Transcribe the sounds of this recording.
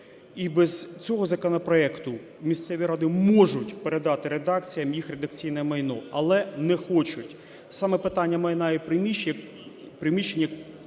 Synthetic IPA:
ibɛz̥t͡sʲɔɦɔzɐkɔnɐpɾɔɛkt̪ʊ | mʲist̪sɛʋʲiɾɑd̪ɪmɔʒʊtʲpeɾed̪ɑt̪ɪɾed̪ɑk̚t͡sʲijɐmjixred̪ɐk̚t͡sʲijnɛɛmɐjnɔɐlˠɛnɛxɔt͡ʃʊtʲ | sɑmɛpɪt̪ɑnʲːɐmɐjnɑjɛpɾɪmʲi | pɾɪmʲiʃenʲjɐk

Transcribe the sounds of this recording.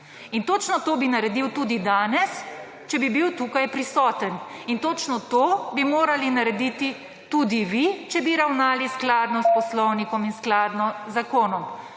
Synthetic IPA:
int̪ot͡ʃnɔt̪oːbinaɾɛd̪iwt̪uːd̪id̪aːnɛs | t͡ʃɛbibiwt̪uːkajpɾisɔːt̪ən | int̪ot͡ʃnɔt̪obimoːɾalinaɾɛd̪iːt̪i | t̪ud̪iʋit͡ʃɛbiɾawnaːlisklaːd̪nɔspɔslɔwnikɔminsklaːd̪nɔzakoːnɔm

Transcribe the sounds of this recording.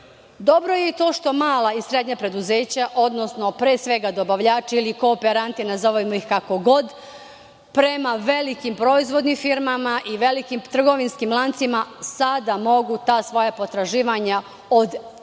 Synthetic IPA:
d̪o̞bɾo̞jet̪o̞ːʃt̪o̞maːlˠaisɾe̞d̪ɲapɾe̞d̪uze̞ːt͡ɕaʔo̞d̪nosno̞pɾe̞ːsʋe̞ɡad̪o̞baʋʎaːt͡ʃiilikoːpeɾant̪inazoʋoimoixkako̞ɡo̞d̪ | pɾe̞maʋe̞likimpɾo̞izʋo̞d̪nimfiɾmamaʔiʋe̞likimt̪r̩ɡo̞ʋinskimlˠant̪simasad̪amo̞ɡut̪aːsʋo̞japo̞t̪ɾaʒiːʋaɲa | od̪

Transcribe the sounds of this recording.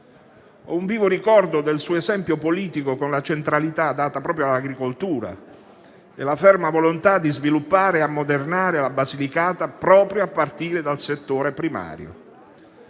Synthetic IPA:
ɔuɱviːvoɾikɔrd̪od̪elsuːoezɛmpjopoliːt̪ikokonlat͡ʃent̪ɾalit̪ad̪ːaːt̪apɾɔːpɾjoalːaɡɾikolt̪uːɾa̰ | ḛlafɛrmavolont̪ad̪ːizvilupːaːɾeamːod̪ernaːɾelabazilikaːt̪apɾɔːpɾjoapːart̪iːɾed̪alset̪ːoːɾepɾima̰ːɾjo̰

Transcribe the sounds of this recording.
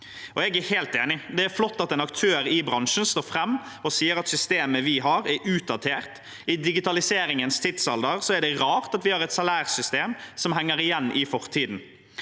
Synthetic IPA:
ɔɛɡæɾheːlt̪eːnɪd̪ɛæɾflɔt̪ːɑt̪ɛnɑk̚t̪ʰøːɾɪbɾɑŋʂn̩st̪oːɾfɾɛmː | ɔsiːəɾɑt̪sʏst̪eːməʋɪɦɑːɾɛʉːt̪̚d̪ɑt̪ʰeːɾt̪ | ɪd̪ɪɡɪt̪ɑlɪseːɾɪŋənst̪ʰɪt̪sɑld̪əɾsɔɛɖɛɾɑːɾt̪ɑt̪ʋɪhɑːɾɛt̪sɑlæːɾsʏst̪eːmsɔmɦæŋːəɾɪjɛnːʔɪfɔɾt̪ʰiːd̪n

